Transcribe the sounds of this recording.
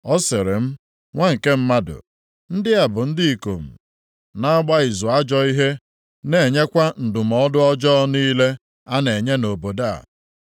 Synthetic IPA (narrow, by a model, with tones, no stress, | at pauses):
ɔ˦sɪ˨ɾɪ˨m̩˦ | ŋʷa˦ŋ̩˨ke˦m̩˦ma˦dʊ̰˨ | n̩˦dɪ˦a˨bʊ˨n̩˦di˦i˨ko̰˨m̩˨ | na˦ɡ͡ba˦ɪ˨zʊ˨a˦d͡ʒɔ˦i˦ɦe˦ | ne˨ɲe˦kʷa˦n̩˨dʊ˨m̩˨ɔ˦dʊ˦ɔ˦d͡ʒɔ˦niː˦le˦ | a˦ne˨ɲe˦no˨bo˨da̰˦˨